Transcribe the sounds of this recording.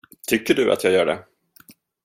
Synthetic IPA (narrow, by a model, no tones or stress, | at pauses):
t̪ʰʏkːəɖɵʔa̰t̪jɑːɡjœːɖɛ̰